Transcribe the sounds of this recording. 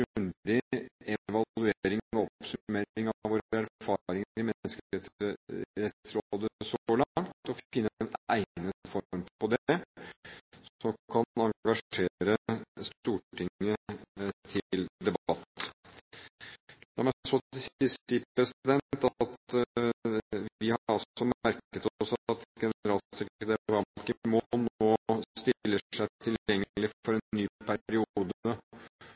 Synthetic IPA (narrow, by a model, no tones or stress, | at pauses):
ɡnd̪ɪɛʋɑlʉeːɾɪŋɔɔpsʉmeːɪŋɑʋoːɾɾæɾfɑːɾɪŋɾɪmɛnːəskɛt̪əɾɛt̪sɾod̪əsɔlɑŋt̪ɔfɪnːəənæ̰ɪnəfɔɾmpɔd̪ɛ | sɔmkʰɑnɑŋɡɑʂeːɾəst̪uːʈʰɪŋːət̪ʰɪld̪ɛbt̪ː | d̪æmɛsɔɪsɪsipɾɛsd̪ɛnt̪ɑt̪ | ʋɪhɑɾɔsɔmæɾkət̪ɔsɑt̪ɡɛnəɾɑlɪd̪ɛʋɑkəmonoːst̪ɪlːəʂæɪt̪ʰɪlɛŋːəlɪfɔɾɛnːyːpʰæɾɪuːd̪ə